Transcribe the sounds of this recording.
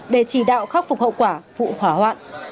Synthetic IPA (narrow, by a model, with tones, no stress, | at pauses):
ɗe˧˩t͡ɕi˧˩ɗa̰ː˧˨wxa˦˥k̚fʊ˨˩k̚hə̰˧˨wkwaː˧˩vṵ˧˨hwaː˨˦hwa̰ː˧˨ʔ